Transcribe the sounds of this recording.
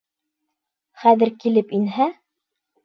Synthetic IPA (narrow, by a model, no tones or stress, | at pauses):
χæðɘ̆ɾkilɘpinɦæ